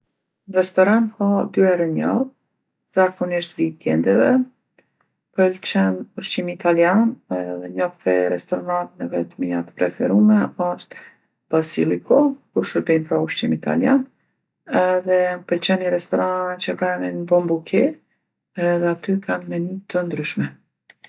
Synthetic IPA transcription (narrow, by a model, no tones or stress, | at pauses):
rɛst̪ɔɾankɔd̪yɛɾəɲɔð | zakɔniʃt̪vikɛnd̪ɛvɛ | pəlt͡ʃɛnuʃt͡ʃimit̪aljanɛðɛɲɔfpɛɾɛst̪ɔɾɔnant̪nɛvɛt̪miat̪pɾɛfɛɾumɛapɔʃt̪ | b̥asilˠikɔkuʃəɾbɛnpɾauʃt͡ʃimit̪a̰ljan | ɛðɛpəlt͡ɕɛniɾɛst̪ɔɾant͡ɕəkamɛnbɔmbukɛ | ɛðɛat̪ykʰanmɛnyt̪ənd̪ɾyʃmɛ